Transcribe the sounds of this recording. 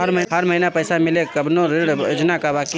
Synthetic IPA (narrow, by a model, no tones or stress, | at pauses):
ɐɾmɐɦɦɐɾmɐɦinapɛːsamɪlekɐbnõɾɪɽʊd͡ʒnakabaːki